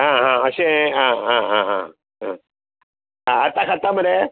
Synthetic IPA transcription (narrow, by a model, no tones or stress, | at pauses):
ɦãɦãəɕẽɦãɦãɦãɦã | ɦã̰ | ɦãət̪akʰat̪aməɽe